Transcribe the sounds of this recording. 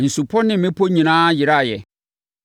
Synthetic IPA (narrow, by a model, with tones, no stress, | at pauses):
n̩˨su˨pʰɔ˦nɪ̃˦mɪ̃˦pʰo˦ɲĩ˨nãː˦jɪ˨ɾa˦˨jɛ˨